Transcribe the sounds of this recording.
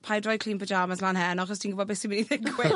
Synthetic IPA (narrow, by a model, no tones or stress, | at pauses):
pʰajdrɔjkʰl̥iːnpʰəd͡ʒaːmaslanhɛnɔχɔstʰiːnɡʊbɔbɪsimɪniθɪkʰwɪ